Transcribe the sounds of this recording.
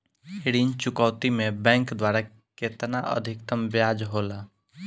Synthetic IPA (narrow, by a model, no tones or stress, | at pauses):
ɪɽint͡ʃʊkɔːt̪imẽbɛ̃ːŋkd̪waːɾa | ket̪naʔə̰d̪ʱɪkt̪əmbjaːd͡ʒɦoːlaː